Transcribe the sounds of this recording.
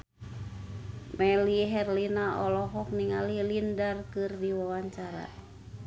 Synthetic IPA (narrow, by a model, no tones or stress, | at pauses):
mɛliɦɛrlinaʔɔlɔɦɔk̚niŋalilindarkɨrdiwawaɲt͡ʃaɾa̰